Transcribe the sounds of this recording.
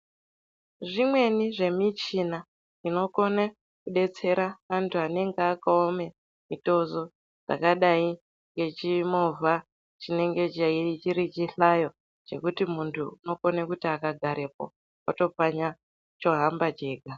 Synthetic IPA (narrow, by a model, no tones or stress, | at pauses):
ʐimwe̞niʐe̞mit͡ʃina | ino̞ko̞na | kuɗe̞t͡se̞ɾaʋantʰuane̞ŋɡeakaome̞ | mito̞zo̞ | d͡za̰kaɗai | ŋɡe̞t͡ʃimovʱa | t͡ʃine̞ŋɡe̞t͡ʃait͡ʃiɾit͡ʃiɬajo̞ | t͡ʃe̞̰kutimuntʰuuno̞konekutiakaɡʱaɾe̞po̰ | oto̞paɲa | t͡ʃo̞ɦambad͡ʒe̞ːɡʱa